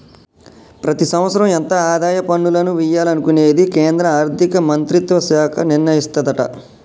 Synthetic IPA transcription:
pɾɐt̪isɐmʋɐt̪sːɐɾɐment̪ɐaːd̪aːjɐpɐɳːulɐnuʋijaːlɐnukuneːd̪ikeːnd̪ɾɐaːɾt̪ikɐmɐnt̪ɾit̪ʋɐsaːkʰɐniɾnɐjist̪ɐd̪ɐʈɐ̰

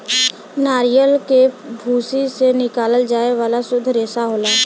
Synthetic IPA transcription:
naːɾijəlkebʱuːsisenɪkaːləld͡ʒaːeʋaːlasʊd̪ʱɾeːsaɦoːlaː

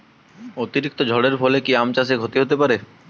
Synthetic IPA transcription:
ot̪iɾik̚t̪od͡ʑʱɔɽeɾfʰɔlekiamt͡ɕas̬eɡʱot̪iɦot̪epaɾe

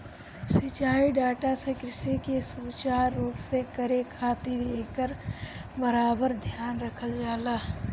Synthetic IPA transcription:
sɪt͡ʃaːiɖaːʈasekɾɪʃikesuːt͡ʃaːɾːuːpsekəɾekʰaːt̪ɪɾeːkəɾbəɾaːbəɾd̪ʱjaːnɾəkʰəld͡ʒaːlaː

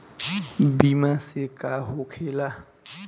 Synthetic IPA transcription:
bimãsekaɦokʰela

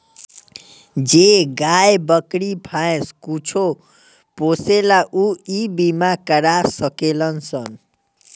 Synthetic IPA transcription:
d͡zeɡajbʌkɾipʰajskut͡sʰo | poselaʔuibimakʌɾasʌkelʌnsʌn

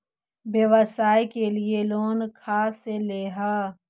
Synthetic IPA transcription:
ʋjəʋəsaːikelieloːnkʰaːseleːɦaː

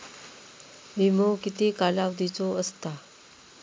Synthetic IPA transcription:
ʋimokit̪ekalaʋd̪ʱit͡soəst̪a

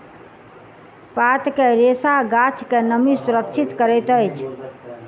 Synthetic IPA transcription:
pat̪keɾesaɡat͡ʃʰkenəmisuɾəkt͡ʃʰit̪kəɾɛt̪əjt͡ʃʰ

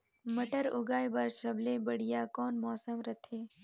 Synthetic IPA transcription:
mɐʈəɾʊɡaːjbaɾʃɐblebɐɽ̤ijakɔːnmɔːsəmɾɐt̪ʰẽː

